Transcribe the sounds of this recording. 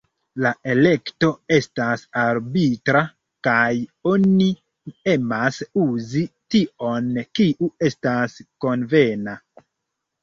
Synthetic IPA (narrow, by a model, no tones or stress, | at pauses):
laʔe̞le̞kto̞e̞stasaɾbitɾa | kajo̞ni | e̞masuzitio̞nkiʔue̞stasko̞nve̞na